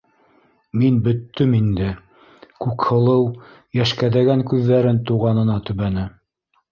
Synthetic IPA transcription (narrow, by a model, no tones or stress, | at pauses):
minbɵ̆t̪ːɵmind̪ɘ | kʉkhɤ̆lˠɤw | jæʃkæðæɡæŋkʉðːæɾɘnt̪uʁɑnɤ̆nɑt̪ɵ̆βænɘ